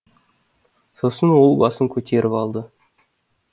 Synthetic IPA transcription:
so̞sənwo̞lˠbɑsəŋkʲʰɵt̪ʰe̞ɾʔɪpɑlˠd̪ə

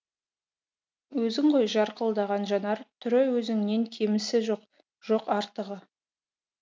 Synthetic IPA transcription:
wɵzɪŋʁo̞jʒɑɾqəlˠd̪ɑʁɑnʒɑnɑɾt̪ʰʏɾɪwɵzɪŋneŋkʲʰe̞mɪsɪʒoq | ʒ̥o̞qɑɾt̪əʁə

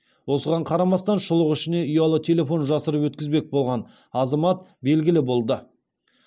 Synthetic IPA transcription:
wo̞səʁɑɴqʰɑɾɑmɑst̪ɑnʃʊlˠəqʏʃɪne̞ʊjɑlˠət̪ʲʰe̞le̞fo̞nʒɑsəɾəpwɵt̪̚kʲɪzbe̞k̚bo̞lˠʁɑn | ɑzɑmɑt̪̚be̞lɡʲɪlɪbo̞lˠd̪ə

